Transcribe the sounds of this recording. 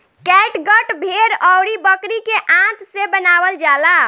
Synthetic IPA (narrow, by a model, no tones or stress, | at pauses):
kɛʈɡəʈbʱeɾɔwɾibəkɾikeʔãt̪sebənabəld͡ʒala